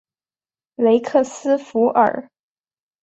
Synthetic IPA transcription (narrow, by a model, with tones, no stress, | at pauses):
le˧˥ɪkʰɤ˥˩sɹ̩˥fu˧˥ʔə̰˨˩